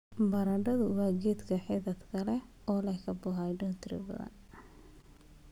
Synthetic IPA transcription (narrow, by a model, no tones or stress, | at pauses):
bɐɾɐɖɐðʊwɑːɡɛːd̪kʰɐħɪðɐt̪kʰɐlɛ | ɔːlɐjkʰɐbʊɦajɖʊnt̪ʰɾɪ̰bɐ̰ðɐ̰n